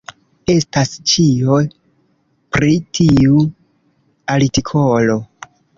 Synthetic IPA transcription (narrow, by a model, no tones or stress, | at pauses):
e̞stast͡ʃioj | pɾitʰiu | alitikʰolo